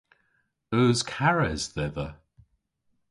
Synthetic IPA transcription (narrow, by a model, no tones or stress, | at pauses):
əːzkʰaɹɛzðɛðə